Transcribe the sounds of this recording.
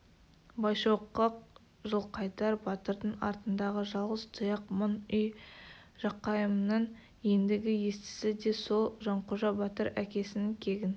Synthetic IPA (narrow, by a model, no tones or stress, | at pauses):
bɑjʃoqːəq̚ | ʒəlˠqʰɑjt̪ɑɾbɑt̪əɾd̪əɴɑ̰ɾt̪ənd̪ɑʁəʒɑlˠʁəzt̪ʰʊjɑqmʊnʏj | ʒ̥ɑqːɑjəmnəɴ | end̪ɪɡʲɪjest̪ɪ̥sɪd̪e̞solˠʒɑɴqoʒɑbɑt̪əɾækʲe̞sɪnɪŋkʲʰe̞ɡʲɪn